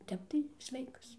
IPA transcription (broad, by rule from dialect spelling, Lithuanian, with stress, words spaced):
ˈtʲɛp tɐɪ ˈsʲʋʲɛɪkɐs